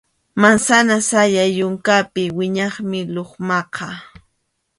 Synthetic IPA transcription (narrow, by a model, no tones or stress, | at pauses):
mansanasajajʊŋkapɪwɪɲɑχmɪloχmɑqʰɑ